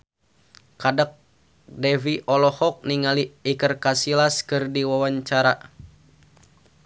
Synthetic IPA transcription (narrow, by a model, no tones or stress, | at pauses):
kadək̚ | dɛviʔɔlɔhɔk̚niŋaliːkərkasilaskɨrdiwawaɲt͡ʃaɾa